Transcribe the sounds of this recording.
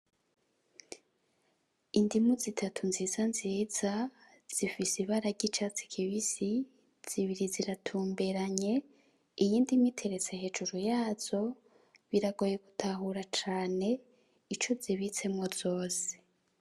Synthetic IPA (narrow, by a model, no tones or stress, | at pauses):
indimuzitʰatʰunziːzanziːz̥a | z̥ifisiβaɾaɟit͡ʃat͡si̥kʰiβisi | z̥iβiɾiziɾatʰuːmbe̞ɾaɲe̞ | ijiːndimitʰe̞ɾe̞t͡sehe̞d͡ʒuɾujaːz̥o̞ | βiɾaɡo̞je̞ɡutʰaɦuɾat͡ʃaːne̞ | it͡ʃo̞ziβit͡se̞mŋoz̥o̞ːse̥